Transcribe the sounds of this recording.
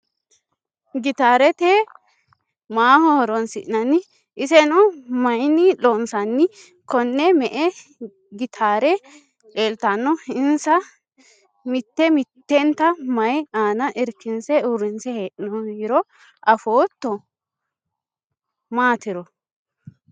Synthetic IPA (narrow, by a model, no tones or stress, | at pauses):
ɡɪt̪aːɾɛt̪e | maːhɔhɔɾɔnsɪʔnɐnɪ | ʔɪsɛnɔmɐjnɪloːnsɐnːɪ | kɔnːɛmɛʔɛ | ɡɪt̪ʰaːɾɛ | eːlt̪anːɔɪnsɐ | mɪt̪ːɛmɪt̪ːɛnt̪ːɐmɐjaːnɐʔɪɾkːɪnsɛʊɾːɪnsɛheːʔɪnɔiɾɔ | ʔɐfoːt̪ːɔ | maːt̪ɪɾɔ